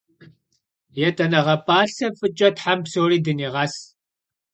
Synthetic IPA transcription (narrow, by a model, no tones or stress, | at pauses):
jɛtʰʼɐnɐʁɐpʼaːɬɐfɨt͡ʃʼɐtħampsoːriːdɨniːʁɐs